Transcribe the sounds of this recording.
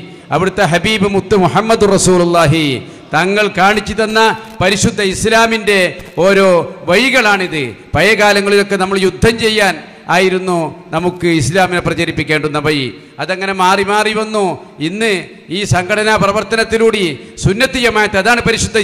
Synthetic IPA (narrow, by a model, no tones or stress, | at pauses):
ɐʋiɽut̪ːe̞ɦɐbiːbɨmut̪ːɨmuħɐmːɐd̪urɐsuːlulˠːaːɦɨ | t̪ɐŋːɐɭkaːɳit͡ɕːit̪ɐnːɐpɐɾiɕud̪ʱːɐislaːminde̞o̞ːɾo̞ːʋɐjiɣɐɭaːɳiðɨpɐjɐɣaːlɐŋːɐɭilo̞kːe̞nɐmːɐɭjud̪ʱːɐmt͡ɕe̞jːaːn | aːjiɾunːunɐmukːɨislaːmineprɐt͡ɕɐɾipːikʲːe̞ːɳɖunːɐbɐji | ɐðɐŋːɐne̞maːrimaːriʋɐnːu | inːɨ | iːsɐŋɡʰʱɐʈʰɐnaprɐʋɐrt̪ɐnɐt̪ːiluːɽi | sunːɐt̪ːijɐmaːjɐt̪ːɨɐðaːɳɨpɐɾiɕud̪ʱːɐ